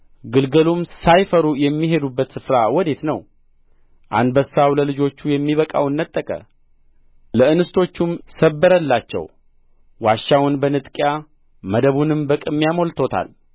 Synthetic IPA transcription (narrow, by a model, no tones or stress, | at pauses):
ɡɨlɡəlumsajfəɾujɛmːiɦe̞d̪ubːət̪sɨfɾawɔd̪e̞t̪nə̰w | ʔa̰nbəsːawləlɨd͡ʒo̞t͡ʃːujɛmːiβəkʼa̰wɨnːət̪ʼːəkʼə̰ | ləɨnɨst̪ʰo̞t͡ʃːumsəbːəɾəlːat͡ʃːɛ̰w | waʃːawʊnbənɨt̪ʼkʼja | məd̪əβunɨmbəkʼɨmːijamo̞lt̪ʰo̞t̪ʰa̰l